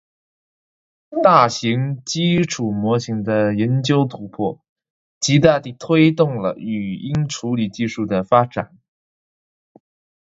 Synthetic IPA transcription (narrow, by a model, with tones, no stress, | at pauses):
t̪a˥˩ɕi˧˥ŋt͡ɕi˥ʈ͡ʂʰu˨˩mwɔ˧˥ɕi˧˥ŋd̪ə˧jɛ˧˥nt͡ɕjo˥ʊt̪ʰu˧˥pʰɔ˥˩ | t͡ɕi˧˥t̪a˥˧t̪i˥˩t̪ʰwe˥ɪt̪ʊ˥˩ŋlə̰˩y˨˩i˥ŋʈ͡ʂʰu˧˥li˨˩t͡ɕi˥˧ʂu˥˩d̪ə˩fa˥ʈ͡ʂa̰˨˩˦n